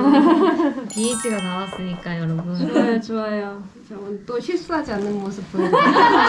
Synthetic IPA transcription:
iit͡ɕʰiɡanawas͈ɯɲik͈ajʌɾʌbunajot͡ɕoajo | t͡ɕʌmɯnt͈oçiɭs͈uɦad͡ʑianːɯnmosʰɯbʰɯ

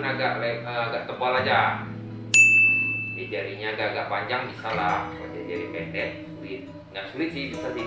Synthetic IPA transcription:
naɡaʔlaəaɡaʔt̪əmpalad͡ʒa | d͡ʒadiaɾiɲaːɡaaɡaʔpaɲd͡ʒaŋbisalahka̰diad͡ʒaɾipɛt̪ɛsulɪt̪̚ | ŋaʔsulɪt̪̚sɪhbisasi

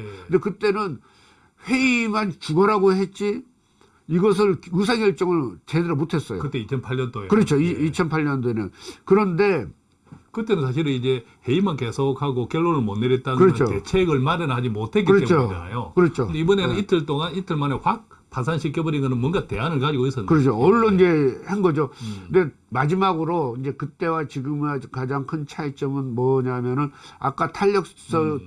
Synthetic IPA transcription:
ndekɯt͈e̞nɯn | he̞imant͡ɕuɡʌɾaɡohe̞t̚t͡ɕ͈i | iɡʌs̬ʰɯɭɯs̬ʰaɡjʌɭt͡ɕ͈ʌŋɯɾt͡ɕe̞deɾomotʰe̞s͈ʌjokɯt͈e̞it͡ɕʰʌnpʰaʎːʌndoekɯɾʌt͡ɕʰoiit͡ɕʰʌnpʰaʎɲʌndoenɯnkɯɾʌnde̞ | kɯt͈e̞nɯnsʰaɕ̬ʰiɾɯnid͡ʑe̞ | he̞imankesʰokʰaɡokjʌɭːoɾɯɭmʌnːeɾjʌt̚t͈ankɯɾʌt͡ɕʰoet͡ɕʰeɡɯɭmaɾɯnɦad͡ʑimotʰe̞k̬iɯɾʌtet͡ɕʰuoa̰najokɯɾʌt͡ɕʰoɯndeibʌnenɯnitʰɯɭt͈oŋanitʰɯɭmaneɸwak̚ | pasʰanɕʰik͈jʌbʌɾinɡʌnɯnmuʌnɡate̞ɦanɯɭkad͡ʑiɡois͈ʌnkɯɾʌt͡ɕʰoʌɭːoind͡ʑe̞henɡʌd͡ʑonde̞ | mad͡ʑimaɡɯɾoind͡ʑe̞kɯt͈e̞wat͡ɕiɡɯmakad͡ʑaŋkʰɯnt͡ɕʰait͡ɕ͈ʌmɯnmʌɲamjʌnɯna̰k͈atʰaʎːʌk̚s͈ʌ

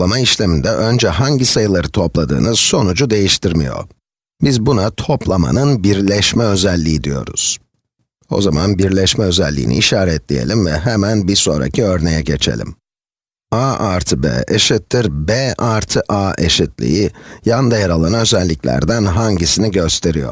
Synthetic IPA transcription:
lˠamaiʃlʲemind̪ɛʔønd͡ʒɛɦaɲɟisajɯlˠaɾɯt̪ʰo̞plˠad̪ɯ̰ːnɯso̞nud͡ʒud̪e̞jiʃt̪ʰiɾmijo̞̰ | bizbunat̪ʰo̞plˠama̰nɯnbiɾlʲɛʃmɛø̞zɛlʲːijid̪ijo̞̰ɾṵz̥ | o̞̰zamanbiɾlʲɛʃmɛø̞zɛlʲːḭːnḭːʃaːɾɛt̪lʲḭje̞̰lʲimvɛɦemænbiso̞nɾa̰cʰiø̞ɾne̞jɛɟet͡ʃʰḛlʲḭm | aʔaɾt̪ʰɯbɛ̰ːeʃit̪ːiɾbeʔaɾt̪ʰɯʔaʔḛʃit̪lʲḭjijand̪ajaɾalˠanaø̞zɛlʲːiclʲæ̰ɾd̪ænɦaɲɟisiniɟø̞st̪ʰe̞ɾijo̞̰ɾ

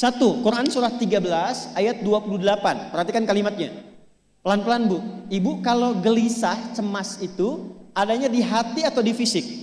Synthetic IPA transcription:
sat̪ukuɾʔansuɾaht̪iɡabəlasajat̪̚duapuludəlapanpərhat̪ikankalimat̪̚ɲa | pəlanpəlanbuibukaloɡəlisaht͡ʃəmasit̪uadaɲadiɦat̪iat̪awdifisɪk̚

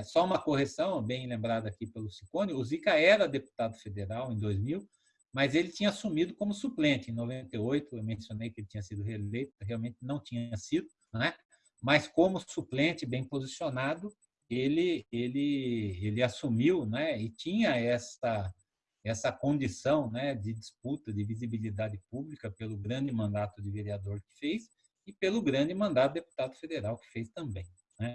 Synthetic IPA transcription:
sɔũmɐkohesɐ̃w̃bẽj̃lẽmbɾad̪ɐːkipelʊsikõnʊʊzikɐɛɾɐd̪epu̥t̪ad̪ʊfed̪eɾawẽj̃d̪ojzmiw | mɐzelɪt͡ʃĩɲɐasumid̪ʊkõmʊsuplẽnt͡ʃɪẽj̃novẽnt̪ejojt̪ʊewmẽsjonejkɪelɪt͡ʃĩɲɐsid̪ʊɦelejt̪ʊɦeawmẽnt͡ʃ̪ɪnɐ̃w̃t͡ʃĩɲɐsid̪ʊ | nɛ | mɐskõmʊsuplẽnt͡ʃɪbẽj̃pozisionad̪ʊ | elɪelɪelɪasumiwnɛɪt͡ʃĩɲɐɛsɐ | ɛsɐkõnd͡ʒisɐ̃w̃nɛd͡ʒɪd͡ʒisput̪ɐd̪ɪvizibilid̪ad͡ʒɪpublikɐpelʊɡɾɐ̃nd͡ʒɪmɐ̃nd̪at̪ʊd̪ɪveɾiad̪oɾkɪ̥fejs | ɪpelʊɡɾɐ̃d͡ʒɪmɐ̃nd̪ad̪ʊd̪epu̥t̪ad̪ʊfed̪eɾawkɪ̥fejst̪ɐ̃mbẽj̃ | nɛ

